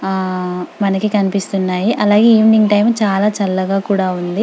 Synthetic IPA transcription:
mɐnɐkikɐnipist̪unːaːjiʔɐlaːɡeːiːʋniŋʈɐjmt͡ʃaːlaːt͡ʃɐlːɐɡaːkuːɽaːund̪i

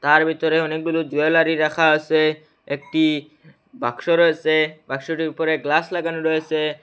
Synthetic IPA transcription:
t̪aɾbʱit̪ɔɾeɔnek̚bulud͡ʑuelaɾiɾakʰaose | ek̚ʈi | bʱakʃoɾɔjesebʱakʃoʈiɾupɔɾeɡlaslaɡanoɾojese

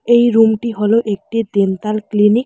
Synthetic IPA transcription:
ejɾumʈiɦoloʔek̚ʈid̪ent̪alklinik

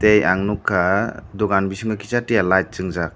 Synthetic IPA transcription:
tejaŋnukʰːadɔɡanbisiŋakʰi̥t͡ʃatijalajt̚t͡ʃɯŋzak̚

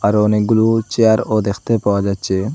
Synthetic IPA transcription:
aɾɔnekɡulut͡ʃeaɾod̪ekʰt̪epawad͡ʒatːt͡ɕʰe

